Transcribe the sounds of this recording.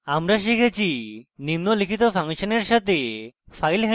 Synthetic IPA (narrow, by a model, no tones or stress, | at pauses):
amɾaʃ̬ikʰet͡ʃʰinimnɔlikʰit̪ɔpʰaŋʃɔneɾʃat̪epʰajlɦe